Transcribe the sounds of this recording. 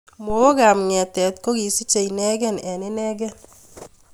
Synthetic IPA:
mo˨˦o˦ɡa˨mŋɛ˨tɛ˨tko˦ɡi˨si˦t͡ʃe˨inɛ˦ɡɛ˦nɛ˨ne˦nɛ˦ɡɛ˦n

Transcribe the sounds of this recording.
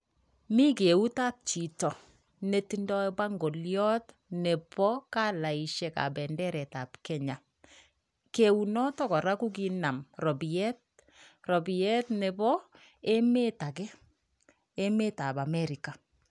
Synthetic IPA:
mi˦ke˨u˦ta˦p̚t͡ʃi˨tɔ˨ | ne˨ti˦ndɔ˦bwa˦ŋɡo˨ljɔ˦t | ne˨pɔ˦ka˦la˨i˨ʃɛ˨ka̰˨bɛ˨ndɛ˦ɾɛ˨ta˨pkɛ˦ɲa˨ | ke˨u˨nɔ˦tɔ˦kɔ˨ɾa˦ku˦k̬i˦na˨mɾɔ˨bi˨ɛ˦t̚ | rɔ˨bi˨ɛ˦tne˨bɔ˦ | e˦me˦ta˨kɛ˦ | e˦me˦ta˨ba˨mɛ˦ɾi˨ka˨

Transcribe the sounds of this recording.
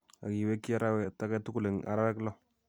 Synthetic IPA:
a̰˨ki˨we˦ki˦a˦ɾa˦wɛ˨ta˦kɛ˦tu˦ku˦le˨ŋa̰˨˦ɾa˦wɛ˦klɔ˦

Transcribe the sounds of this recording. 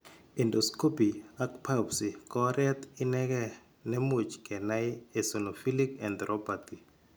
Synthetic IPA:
i˨ndosko˦piak̚pʰa˦psi˨kɔɾɛ˦t̪ɪ˦nɛ˦kɛ˦ | nɛ˦mu˨t͡ʃkɛ˨na˦ɪe˨so˨no˨fi˦likɛ˨nd̪ɾʔɔpat̪i˨

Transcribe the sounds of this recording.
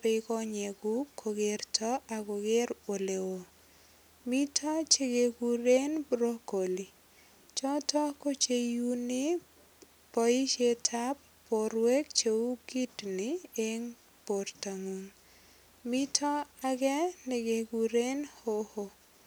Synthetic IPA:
pɪkɔ˦ɲɛ˨ɡʊ˦kʰo˨ɡe˨rtʰɔ˦ʔa˨ɡo˨ɡe˦ɾo˨le˨wo˨ | mi˦tʰɔ˦t͡ʃe˦ɡe˨ɡu˨ɾe˦nbɾo˦ko˨li˨ | t͡ʃɔ˦tɔ˦ko˦t͡ʃe˦ju˦nɪ˦ | pɔ˨i˦t͡ʃe˦tʰa˦pː | o˨ɾwe˦kt͡ʃe˨u˦ɡi˦tnɪe˦ŋ | po˨rta˨ŋu˨ŋ | mi˦tʰɔ˦a˦ɡɛ˦ne˨ɡe˨ɡu˨ɾe˦nho˦ho˦

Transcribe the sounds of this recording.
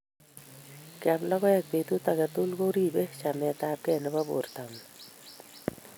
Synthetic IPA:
kja˨mlɔ˦ɡɔ˦a˦˨k̚pe˨t̪u˦t̪a˨ka˨t̪u˦lɡo˦ɾi˦be˦t͡ʃa˨mɛ˨t̪a˦p̚kɛ˦˨nɛ˦ba˦bo̰˨ɾt̪a˨m

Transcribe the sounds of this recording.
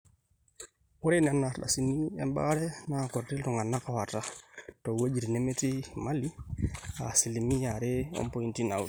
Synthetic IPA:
ɔ˦ɾe˦na˨na˨ɾɗa̰˨si˨˦ni˦ɛ̰˨mba̰˦ɾɛ˦na˦˨kʊ˨ɾɾɪ˦lu˨ŋɡa˨na˦ka˨wa˨ta˦tɔ˨we˦d͡ʒi˨ɾi˨nɛ˦mɛ˦ti˦ma˦li˦a̰˨si˨li˨mi˦a˨ɾɪ˦ɔ̰˦mpɔ˦i˦nti˦na˨u˦

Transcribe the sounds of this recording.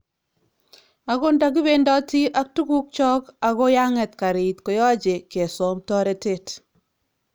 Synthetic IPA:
a˨ko˦nda˦k̬i˦be˦ndɔ˦ti˦ʔa˦k̚tu˦ku˦k̚t͡ʃɔ˦ka˨ko˦ja˦ŋɛ˨tka˨ɾi˨tko˨jɔ˦t͡ʃe˨ke˨sɔ˨˦mtɔ˦ɾe˦te˦˨t

